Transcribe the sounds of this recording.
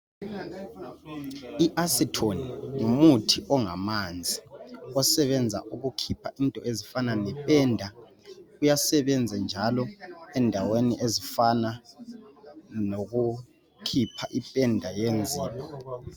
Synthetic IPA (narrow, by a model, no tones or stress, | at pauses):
iʔasitʰoniŋumutʰiʔɔŋamand͡zʱiɔsɛβɛnd͡zʱa̰ʔuɣukʰipʰaʔintʼɔezifananɛpʼɛndʱa | ujasɛβɛnd͡zʱɛnd͡ʒʱalɔɛndʱaweniʔezifana | noɣu | kʰipʰaʔipʼɛndʱajend͡zʱiːpʰɔ̥